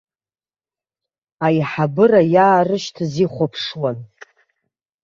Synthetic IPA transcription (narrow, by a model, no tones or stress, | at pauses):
ajħabɨrajaːrɨʃtʰziχʷopʰʂwan